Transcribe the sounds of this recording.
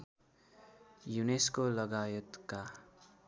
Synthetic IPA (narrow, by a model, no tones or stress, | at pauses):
juneskolʌɡajʌt̪ka